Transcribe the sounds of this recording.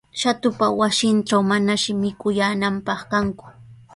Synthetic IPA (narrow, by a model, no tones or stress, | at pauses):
ʃat̪ʊpawasɪnʈ͡ʂawmanaʃɪmɪkʊjaːnampɑχkaŋkʊ̥